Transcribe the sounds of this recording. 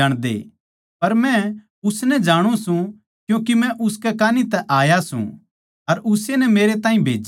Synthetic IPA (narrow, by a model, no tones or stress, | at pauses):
ɐɽ̃d̪ḛː | pɐɾmɛ̃ | ʊsnɛd͡ʒaːɽ̃ũsũ | kjõːkimɛ̃ʔʊskɛkaːnit̪ɛʔaːjasṵ̃ | ɐɾʔʊsenɛmeːɾet̪aːɦĩbʱeːd͡ʒ